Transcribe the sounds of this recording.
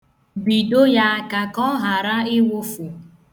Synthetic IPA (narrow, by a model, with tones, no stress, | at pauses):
bi˨do˦ja˦a˦ka˨kɔ˦ɦa˨ɾa˦ɪ˦wʊ˦fu˨